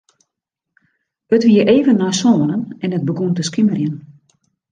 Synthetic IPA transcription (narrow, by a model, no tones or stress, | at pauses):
ətʋiəɾʔeːvənːɔjsoːənənɛnət̚bəɡuntəskimərjən